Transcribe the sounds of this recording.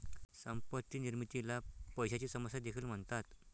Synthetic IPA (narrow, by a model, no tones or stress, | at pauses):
səmpət̪ːiniɾmit̪ilapəjɕat͡ɕiːsəməsjad̪ekʰiːlm̤əɳt̪at̪